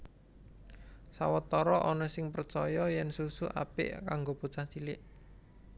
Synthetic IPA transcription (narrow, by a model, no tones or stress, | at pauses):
sa̰wət̪ɔɾɔʔɔnɔsɪŋpərt͡ʃɔjɔjɛnsusuʔa̰pɪ̰ʔkaŋɡoput͡ʃaht͡ʃilɪʔ